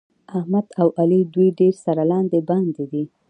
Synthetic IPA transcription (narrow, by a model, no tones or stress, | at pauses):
ahmad̪̥awʔalid̪ujɖeɾsaɾalɑnd̪eband̪ed̪i